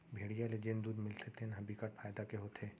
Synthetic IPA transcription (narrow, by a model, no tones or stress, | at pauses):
bʱeːɽijaled͡ʒend̪uːd̪mɪlt̪ʰet̪ʰenɦɐbʱikaʈfʰaːjd̪akeɦoːt̪ʰeː